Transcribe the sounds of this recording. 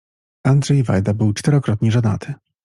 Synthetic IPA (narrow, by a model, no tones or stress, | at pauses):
and̪ʐɛjva̰jd̪abɘwt͡ʂt̪ɛɾɔkɾɔt̪ɲiʐana̰t̪ʰɘ